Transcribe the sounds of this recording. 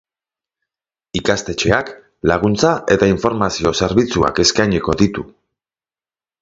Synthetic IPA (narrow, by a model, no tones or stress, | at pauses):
ikast̪e̞t͡ʃe̞ak | laɣ̞unt͡saʔe̞t̪aiɱfo̞ɾmasio̞se̞ɾβit͡sua̰ke̞skajɲeko̞ðit̪u